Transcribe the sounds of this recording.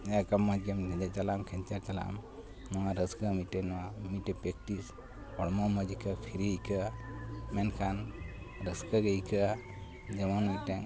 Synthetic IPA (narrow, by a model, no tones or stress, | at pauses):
akamad͡ʒɡemnɛd͡ʒɛt͡ʃalamkʰɛɲt͡ʃaɾt͡ʃala̰m | nɔwaɾəskəmiʈɛnɔwamiʈɛpek̚ʈis | ɔɽmɔməd͡ʒikʰəpʰiɾiikʰə | mɛnkʰan | ɾəskəɡeikʰə | d͡ʒəmɔnmiʈɛŋ